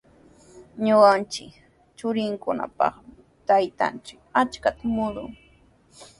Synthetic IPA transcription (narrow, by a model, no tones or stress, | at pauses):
ɲʊɢant͡ʃɪk | t͡ʃʊɾɪŋkʊna̰pɑ̰χm | t̪ajt̪a̰nt͡ʃɪkat͡ʃkat̪amʊlʊ̰ŋ